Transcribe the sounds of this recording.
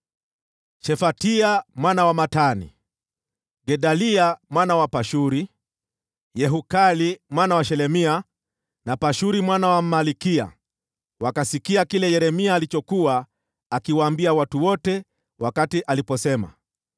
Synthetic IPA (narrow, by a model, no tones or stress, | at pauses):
ʃɛfatiamwanawamatanḭ | ɡɛɗaliamwanawapaʃuɾi | jɛɦukalimwanawaʃɛlɛmia | napaʃuɾimwanawamalikia̰ | wakasikiakilɛjɛɾɛmiaːlit͡ʃɔkuaː | kiwaːmbiawatuwɔtɛ | wakatiʔalipɔsɛma̰